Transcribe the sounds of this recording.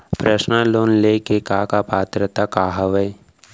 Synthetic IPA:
pɾəʃnəloːnleːkekaːkapaːt̪ɾət̪akaːɦəʋəj

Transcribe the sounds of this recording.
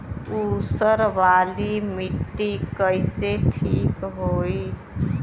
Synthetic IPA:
usəɾʋaːlimiʈːikəɪseʈʰikɦoi

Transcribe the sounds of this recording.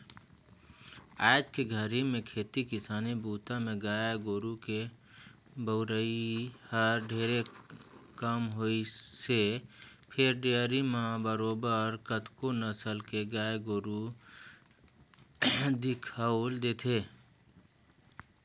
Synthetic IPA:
aːd͡ʒkeɡʱəɾimẽkʰeːt̪ikɪsaːnibuːt̪amẽɡaːjɡoːɾuke | bəʊɾəihəɾɖʱeːɾe | kəmɦoisepʰɪɾɖeɾimãbəɾoːbəɾkət̪konəsəlkeɡaːjɡoːɾu | d̪ɪkʰald̪eːt̪ʰeː

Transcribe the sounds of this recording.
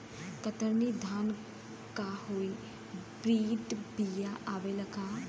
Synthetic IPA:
kət̪əɾniːd̪ʱaːn | kaːɦoːiː | bɾiːʈbijaʔaːʋeləɡaː

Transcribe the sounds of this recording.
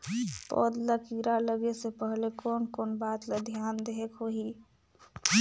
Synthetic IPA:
pɔ̰ːd̪ləkiɾaləɡesepəɦlekɔːnkoːnbaːt̪led̪ʱjaːnd̪eɦekɦoɦi

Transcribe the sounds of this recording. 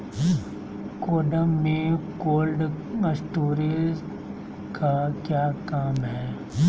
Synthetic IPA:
koːɖəmːẽkoːlɖ | məsʈuːɾez | kakjaːkaːmɦɛː

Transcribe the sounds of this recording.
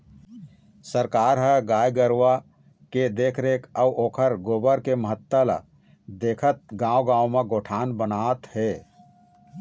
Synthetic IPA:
səɾkaːɾɦəɡaːjɡəɾwa | ked̪eːkʰɾeːkəwʔoːkʰəɾɡoːbəɾkeməɦət̪ːəla̰ | d̪eːkʰət̪̚ɡãːoɡãːwmẽɡoːʈʰaːnbənaːt̪heː

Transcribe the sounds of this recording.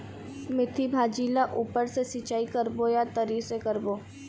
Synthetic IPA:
mɪt̪ʰibʱaːd͡ʒiːlaʔuːpəɾsesɪt͡ʃaːikəɾbojat̪əɾiːsekəɾboː

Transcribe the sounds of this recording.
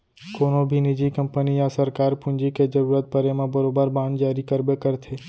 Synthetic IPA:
koːnõbʱinɪd͡ʒikɐ̃mpənijasəɾkaːɾpʊ̃nd͡ʒiked͡ʒɐɾuːɾət̪̚pəɾemẽbɐɾoːbəɾbãːnd͡ʒaːɾikəɾbekəɾt̪ʰeː

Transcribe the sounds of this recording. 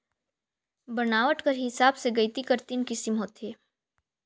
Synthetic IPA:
bɐnaːʋəʈkɐɾɦɪsaːbseɡɐɪt̪ikɐɾt̪inkɪsɪmɦoːt̪eː

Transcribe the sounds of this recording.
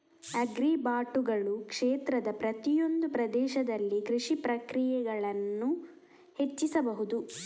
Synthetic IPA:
ɐɡɾibaːʈuɡɐɭukʂeːt̪ɾɐd̪ɐpɾɐt̪ijo̞nd̪upɾɐd̪ɛːʃɐd̪ɐlːikɾiʂipɾɐkɾijɛɡɐɭɐnːu | he̞t͡ʃːisɐbɐɦud̪u

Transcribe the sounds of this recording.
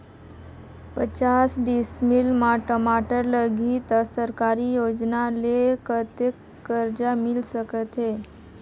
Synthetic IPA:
pət͡ɕasɖismilmaʈəmaʈəɾləɡʱit̪səɾkaɾiːjod͡ʑd͡znalekət̪ekːəɾd͡ʑamilsəkət̪ɦe

